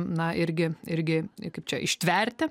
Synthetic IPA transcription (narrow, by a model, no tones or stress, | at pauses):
nɐʔɪɾʲɡʲɪɪɾʲɡʲɪkɐɪp̚t͡ʃʲɛʔɪʃʲt̪ʲʋʲɛrʲt̪ʲɪ